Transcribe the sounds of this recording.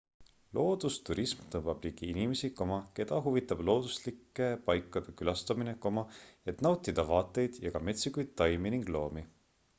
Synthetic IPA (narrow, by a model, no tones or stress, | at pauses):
lo̞ːd̪̥ust̪uɾismt̪ɤbɑb̥liɡ̥iinime̞sikomɑke̞d̪̥ɑɦuvit̪ːˑɑb̥lo̞ːd̪̥uslikːˑe̞pɑjkːˑɑd̪̥e̞kylɑst̪ɑmineko̞mɑe̞t̪nɑwt̪ːˑid̪̥ɑvɑːt̪ːˑe̞jd̪̥jɑɡ̥ɑme̞t̪sikujd̪̚t̪ːɑjminiŋɡlo̞ːmi